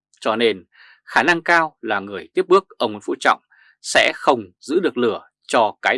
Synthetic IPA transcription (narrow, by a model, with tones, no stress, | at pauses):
t͡ɕɔ˧ne˧n | xaː˧˩na˧ŋkaː˧wlaː˨˩ŋɨ˨˩əjt̪i˦˥əp̚ɓɨ˦˥ək̚ʔəː˧˩wŋ͡mŋo˨˥n̚fṵ˧˥t͡ɕɔ̰˧˨wŋ͡m | sɛ̰˧˥xə˧wŋ͡mzɨ̰˧˥ɗɨ˨˩ək̚lɨ˧˩ə | t͡ɕɔ˧kaː˨˦